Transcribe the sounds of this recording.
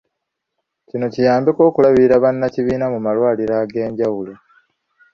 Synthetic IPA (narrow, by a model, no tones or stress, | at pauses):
cino̞cijaːmbiko̞ːkulaβiɾaβanːaciβiːnamumalwaːliɾaɡe̞ːɲɟawulo